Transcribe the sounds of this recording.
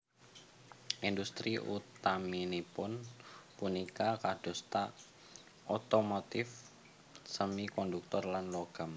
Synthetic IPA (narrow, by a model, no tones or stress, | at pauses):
ʔind̪ust̪ɾiʔṵt̪aminipʊnpunikakad̥ɔ̤st̪a | ʔot̪omot̪ɪf | səmikɔnd̪uk̚t̪ɔrlanloɡ̥am